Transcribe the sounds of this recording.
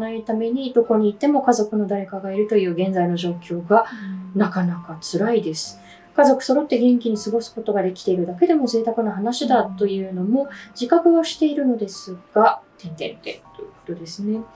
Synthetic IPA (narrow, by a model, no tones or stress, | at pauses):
nait̪ame̞ɲ̟id̪o̞ko̞ɲ̟iːt̪ːe̞mo̞kazo̞kɯ̟no̞d̪aɾe̞kaɡaiɾɯ̟t̪o̞jɯ̟ːɡẽ̞nd͡zaino̞ʑo̞ːkʲo̞ːɡanakanakat͡sɨɾaid̪e̞sɨ̥ | kazo̞kɯ̟̥so̞ɾo̞t̪ːe̞ɡẽ̞ŋkʲiɲ̟isɨɡo̞sɨ̥ko̞t̪o̞ɡad̪e̞kʲi̥t̪e̞iɾɯ̟d̪ake̞d̪e̞mo̞ze̞ːt̪akɯ̟noɦanaɕid̪at̪ːo̞jɯ̟ːno̞mo̞d͡ʑikakɯ̟oɕi̥t̪e̞iɾɯ̟no̞d̪e̞sɨɡ̥at̪ẽ̞nt̪ẽ̞nt̪ẽ̞̰t̪ojɯ̥ko̞̥t̪o̞d̪e̞sɨne̞